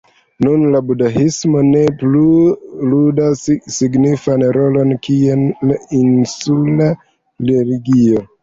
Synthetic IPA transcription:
nunlabudaɦismo̞ne̞pluludassiɡnifanɾo̞lo̞nkienlainsula | leliɡio

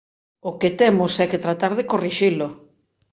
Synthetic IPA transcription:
ʊket̪ɛmʊsɛket̪ɾat̪aɾð̞ekoriʃilo

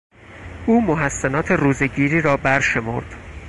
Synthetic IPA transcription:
ʔuːmoɦæsːenɒːt̪ʰe̞ruːzeɟiːɾiːɾɒːbæɾʃe̞mo̰ɾd̪̥

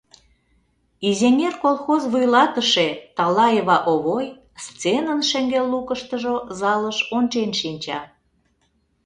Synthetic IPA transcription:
izenʲerkolˠxozβujlɑt̪əʃet̪ɑlɑjəβɑʔoβoj | st͡senənʃĕŋɡelːukəʃt̪əʒozɑləʃont͡ɕenʃinʲt͡ɕɑ̰

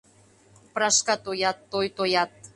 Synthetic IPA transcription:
pɾɑʃkɑt̪ojɑt̪ːojt̪ojɑt̪̚

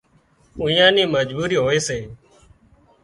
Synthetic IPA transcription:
ũjãːniːməd͡ʒbuːɾiːɦoːeːseː

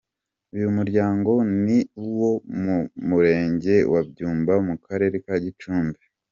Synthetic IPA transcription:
ujumuɾɟaːŋɡo̞niwo̞mumuɾe̞ːɲɟe̞wabɟuːmbamukaɾe̞ːɾekaɟit͡ʃuːmbe

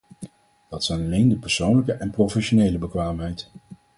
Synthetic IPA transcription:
d̥ɑtsɛjnɑlejndəpɛɹsownləkəʔɛnprofɛʃonejləbəkʋaːmɦɛjt

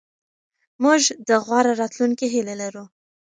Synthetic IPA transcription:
muʒd̪əɣwɑɾaɾɑt̪luŋkiɦilelaɾu

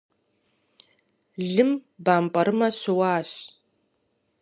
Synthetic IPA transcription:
ɮɨmbaːmpʼɐɾɨmɐɕɪwaːɕ

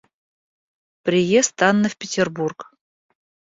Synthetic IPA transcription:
pɾʲɪjest̪ɑnːəfpʲɪtʲɪrburk

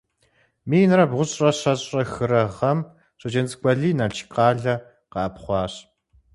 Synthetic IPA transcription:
miːnɨrɐbʁʷʊɕʼrɐɕɐɕʼrɐxɨɾɐʁɐm | ɕʼɐd͡ʒɐnt͡skʷʼɐɮiːnɐt͡ʃʰqɑːɮɐ | qɑːpχʷɑːɕ

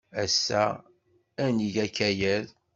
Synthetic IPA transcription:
æsːæ | æniʝækːæjæl

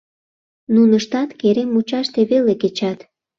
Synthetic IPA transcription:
nunəʃt̪ɑt̪keɾemut͡ɕɑʃt̪eβeleket͡ɕɑt̪

